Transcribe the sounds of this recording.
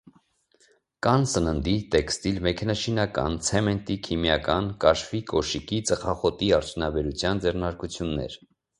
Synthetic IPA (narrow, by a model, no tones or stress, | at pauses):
kɑnsənənd̪it̪ɛkst̪ilmɛkʰɛnɑʃinɑkɑ̰nt͡sʰɛmɛnt̪ikʰimjɑkɑnkɑʃfikʰɔʃikit͡səχɑχɔt̪iɑɾt͡sʰjunɑbɛɾut͡sʰjɑnd͡zɛrnɑɾkut͡sʰjunːɛ̰ɾ